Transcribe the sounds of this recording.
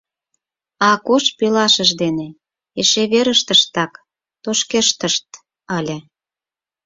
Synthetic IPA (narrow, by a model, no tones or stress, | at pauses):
ɑkoʃpilɑʃəʒd̪ene | eʃeβeɾəʃt̪əʃt̪ɑk | t̪oʃkeʃt̪əʃt̪̚ | ɑlʲe